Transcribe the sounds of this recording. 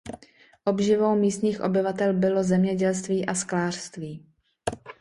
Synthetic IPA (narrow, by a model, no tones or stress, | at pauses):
ʔo̞bʒɪvo̞wmiːst̪ɲiːxʔo̞̰bɪvat̪ɛlbɪlo̞zɛmɲɛɟɛls̬t̪viːʔasklaːr̥st̪viː